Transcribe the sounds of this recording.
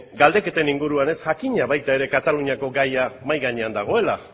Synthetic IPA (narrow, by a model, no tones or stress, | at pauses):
ɡald̪e̞ke̞t̪e̞niŋɡuɾuane̞sʝakiɲaβajt̪ae̞ɾe̞kat̪aluɲiako̞ɡajamajɣaɲe̞and̪aɣ̞o̞e̞la